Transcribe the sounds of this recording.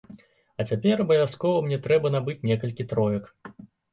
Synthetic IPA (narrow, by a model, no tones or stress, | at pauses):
ɐt͡sʲapʲɛɾɐbɐvʲaskɔvɐmnʲɛt̪ɾɛbɐnabɨt͡sʲnʲɛkɐlʲkʲit̪ɾɔjɐk